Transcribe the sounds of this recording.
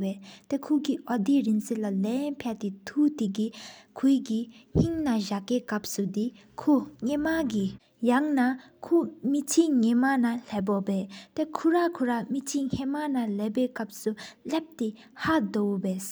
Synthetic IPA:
wɛːt̪ekʰukiʔɔd̪iɹinseʔlalɛnpʰɛʔt̪et̪ʰut̪ikikʰukiŋ̥iŋnaʑakeːkap̚sud̪i | kʰuɲemaki | jaŋna | kʰumit͡ɕʰiŋemanaleːp̬ɔpɛːt̪ekʰuɹakʰuɹamit͡ɕʰiŋ̥ʰemanaleːpeːkap̚sulep̚t̪i | had̪owbeːs

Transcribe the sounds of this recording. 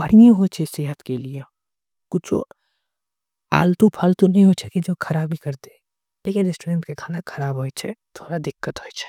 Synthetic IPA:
bɐɽ̤ijẽɦot͡ʃʰeseːɦət̪kelije | kʊt͡ʃʰo̰ | a̰ːlt̪ũpʰalt̪onɐɦĩɦot͡ʃʰekid͡ʒoːkʰɐɾaːbʱikɐɾt̪eː | leːkɪnɾɪsʈoːɾẽɳʈkekʰaːnakʰɐɾaːbɦoːit͡ʃʰɛt̪ʰoːɽad̪ɪkːət̪ɦoːit͡ʃʰɛ̥

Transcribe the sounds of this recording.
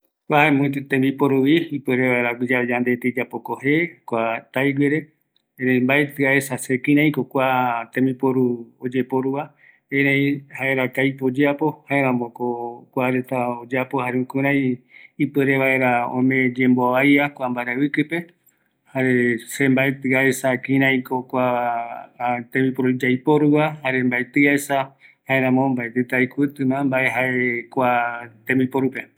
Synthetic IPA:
kʷaemõt̪ẽmbipoɾuβiipɨɾeβaeɾaɡʷid͡ʒad͡ʒand̪e̞t̪ed͡ʒapokohekʷat̪ajɡeɾe̞ | eɾẽmbaet̪ɨaesasekĩɾ̃ãj̃kokʷat̪ẽmbipoɾuod͡ʒepoɾuβa | ẽɾẽjhaeɾakajpod͡ʒeapo̞haeɾãmbokokʷaɾet̪aod͡ʒapohaɾeũkuɾ̃ãj̃ipɨɾeβae̞ɾaõ̰mẽd͡ʒe̞mboaβajakʷambaɾeβɨkɨpe̞ | haɾesembaet̪ɨaesakĩɾ̃ãĩkokʷa | t̪ẽmĩpoɾud͡ʒajpoɾuβahaɾembaet̪ɨaesahaeɾãmõmbaet̪et̪aikʷɨt̪ɨmãmbaʔe̞ɦaekʷat̪ẽmbĩpoɾupe

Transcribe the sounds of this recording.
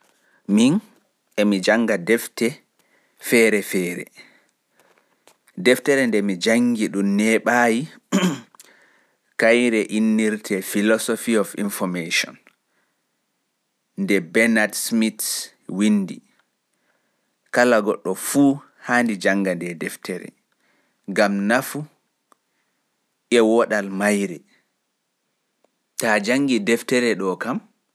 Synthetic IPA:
min | ɛmid͡ʒaŋɡadɛftɛ | fɛːɾɛfɛːɾɛ̰ | dɛftɛɾɛndɛmid͡ʒaŋɡiɗumnɛɓaji | kajɾɛʔinːiɾtʰɛfilɔsɔfiɔfinfɔmeʃɔ̰n | ndɛbɛnatsmit | windi | kalaɡɔɗːɔfuː | handid͡ʒaŋɡandɛdɛftɛɾɛ̰ | ŋɡamnafu | ʔɛwɔɗalmajɾɛ | tad͡ʒaŋɡidɛftɛɾɛɗɔkam

